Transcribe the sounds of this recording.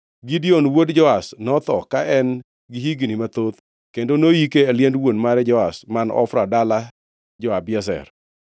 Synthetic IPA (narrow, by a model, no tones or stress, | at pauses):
ɡidionwodd͡ʒɔasnɔt̪ɔkaʔɛn | ɡɪɦiɡnimat̪ot̪ | kendonojikealjɛndwonmaɾɛd͡ʒɔasmanɔ̰fɾadala | d͡ʒɔabjɛs̬ɛ̰r